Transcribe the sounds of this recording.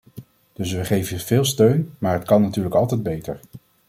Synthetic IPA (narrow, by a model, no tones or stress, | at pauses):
d̥ɵsʋəχejvəyv̥ɪːlˠstøɥnmaːɹɦətkɑnːatyːɹləkɑlˠtɛjd̚bejtə̰ɹ